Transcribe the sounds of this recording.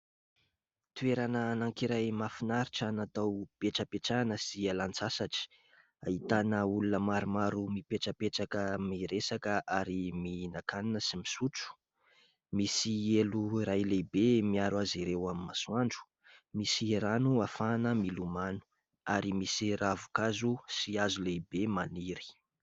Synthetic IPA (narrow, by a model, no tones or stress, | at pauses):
t̪ueɾanənaŋkiɾajmafinaɾiʈ͡ʂanat̪awb̥eʈ͡ʂəpeʈ͡ʂanəsialant͡sasaʈ͡ʂi̥ | a̰it̪anəulunəmaɾimaɾumipeʈ͡ʂəpeʈ͡ʂakəmiɾesakəʔaɾiminakaninəsimisut͡su̥ | misieluɾajlejbemiaɾwaziɾewamimasuaɳɖ͡ʐu̥ | misiɾanuafanəmilumanu̥ | aɾimisiravukazusiazulejbemaniɾi̥